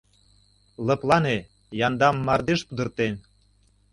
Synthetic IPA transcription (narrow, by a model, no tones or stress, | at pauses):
lɤ̆plɑne | jɑnd̪ɑmːɑrd̪eʃpud̪ərt̪en